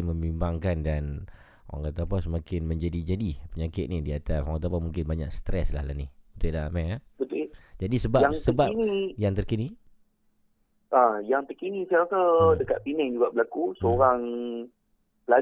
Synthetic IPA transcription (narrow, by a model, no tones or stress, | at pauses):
məmbimbaŋkandan | o̰a̰ŋat̪apasəmakɪnmə̃ɲd͡ʒadid͡ʒadipəɲakɪt̪̚nidiat̪asoaŋat̪apamuŋkɪnbaɲa̰k̚sə̥t̪ɾɛslahla̰niunt̪ʊdamɛabət̪ud͡ʒadisəbaaŋsəbanijaŋt̪ərkini | ʔajaŋt̪əkinisajakadəkaʔ̪̚pinɛŋd͡ʒuɡaʔbəlakusəoɾaŋ | bla